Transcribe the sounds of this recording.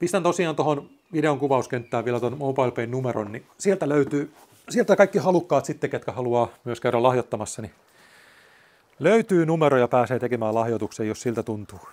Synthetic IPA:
pist̪ænt̪osiɑːnt̪ohon | ʋideoŋkuʋɑuskent̪ːæːʋʋielæt̪onmoːbɑilpeinnumeɾo̰nnisielt̪æløyt̪yː | sielt̪ækɑikːihɑlukːɑːt̪sit̪ːeket̪kæhɑluɑːmyøskæyɾælɑhjot̪ːɑmɑsːɑni | løyt̪yːnumeɾojɑpæːseːt̪ekemæːlɑhjot̪uksejossilt̪æt̪unt̪uː

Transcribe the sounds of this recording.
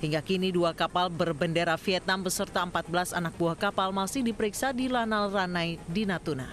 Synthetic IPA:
hiŋɡakiniduakapalbərbəndeɾafiɛt̪̚nanbəsərt̪aəmpat̪̚bəlasanak̚buahkapalmasɪhdipəɾiksadilanalranajdinat̪una̰

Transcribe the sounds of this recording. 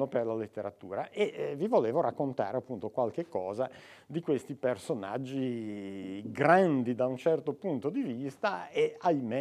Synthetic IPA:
operlalet̪ːeɾat̪uːɾaʔevivoleːvoɾakːont̪a̰ːɾeapːunt̪okwalkekːɔːzad̪ikwest̪ipersona̰d͡ʒːi | ɡɾand̪id̪aunt͡ʃɛrt̪opunt̪od̪ivist̪aeajme

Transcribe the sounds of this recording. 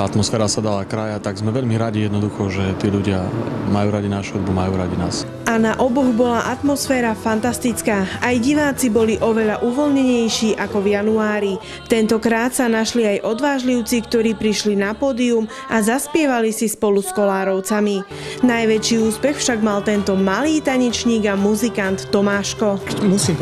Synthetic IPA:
at̪mɔsfɛːɾasad̪alakɾajat̪aɡzmɛʋɛʎmiɾaɟijɛd̪nɔd̪uxɔʒɛt̪ɪɛʎuɟɪamajuːɾaɟinaʃɛd̪bumajuːɾaɟinaːs | ʔanaʔɔbɔɣbɔlaʔat̪mɔsfɛːɾafant̪ast̪it͡skaːajɟiʋaːt͡sibɔliʔɔʋɛʎaʔuʋɔlɲɛɲɛjʃiːʔakɔvjanuaaːɾi | t̪ɛnt̪ɔkɾaːt̪sanaʃliajʔɔd̪ʋaːʒliʊt͡sikt̪ɔɾiːpɾiʃlinapɔːd̪ium | azaspɪɛʋalisispɔluskɔlaːɾɔʊt͡sami | najʋɛt͡ʃiːuːspɛxfʃaɡmalt̪ɛnt̪ɔmaliːt̪aɲɛt͡ʃɲiːɡamuzikant̪ːɔmaːʃkɔmusi

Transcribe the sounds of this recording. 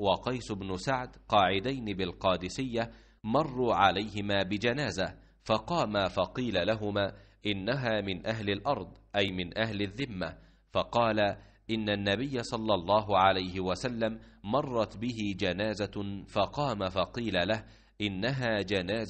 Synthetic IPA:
wɑqɑjsʊbnʊsaʕd̪qɑːʕɪd̪ajnɪbɪlqɑːd̪ɪsɪjːa | mɑrˤːuːʕalajhɪmaːbɪd͡ʒanaːza | fɑqɑːmafɑqiːlalaɦʊmaː | ʔɪnːaɦaːmɪnʔaɦlɪlʔɑɾˤd̪ˤʔajmɪnʔahlɪðːɪmːa | fɑqɑːla | ʔɪnːanːabɪjːasˤɑlːɑlˤːɑːɦʊʕalajɦɪwasalːamːɑrˤːɑt̪bɪɦɪd͡ʒanaːzafɑqɑːmafɑqiːlalah | ʔɪnːaɦaːd͡ʒanaːz

